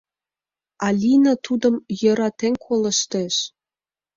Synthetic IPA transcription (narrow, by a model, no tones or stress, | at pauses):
ɑlʲinɑt̪ud̪ə̆mjɤ̆ɾɑt̪eŋkʰolə̆ʃt̪eʃ